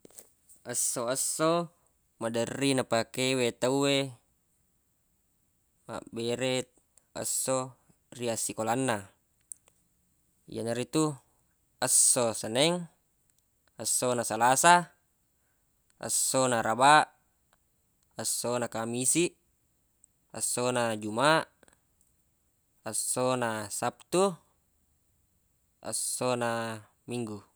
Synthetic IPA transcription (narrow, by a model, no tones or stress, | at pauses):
əsːoəsːo | madərːinapakewet̪aue | ma̰beɾet̪̚ | ə̰sːo | riasikolanːa | ij̰a̰naɾit̪u | əsːosənɛŋ | ə̰sːonasalasa | ə̰sːonaɾabaʔ | əsːonakamisiʔ | ə̰sːonad͡ʒumaʔ | ə̰sːonasap̚t̪u | ə̰sːona | miŋɡu